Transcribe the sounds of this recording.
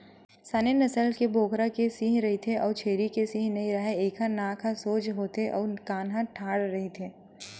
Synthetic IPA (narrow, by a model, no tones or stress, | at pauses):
saːnenɐsəlkebʱoːkɾakesĩːɦɾɐɦit̪ʰeʔɔːɾt͡ʃʰeːɾikesĩːɦnɐĩɾɐɦeeːkʰanaːkʰasoːd͡ʒɦoːt̪eʔɔːkaːnɦãʈʰaːɽɾɐɦit̪ʰeː